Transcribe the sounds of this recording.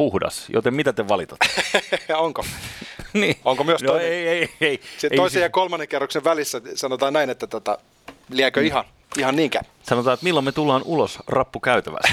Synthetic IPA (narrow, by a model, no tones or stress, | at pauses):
uhdɑ̰sjo̰t̪emit̪æt̪eʋɑlit̪ɑ̥t̪ː | oŋko | niːoŋkomyøsnoeieieiseooisejɑkolmɑnːeŋkerːokseʋʋælisːæsɑnot̪ɑːnæinet̪ːæt̪ot̪ɑ̰ | liækøihɑ | ihɑnniːŋkæ̰ | sɑnot̪ɑːet̪milːomet̪ulːɑːnulosrɑpːukæyt̪æʋæ̰s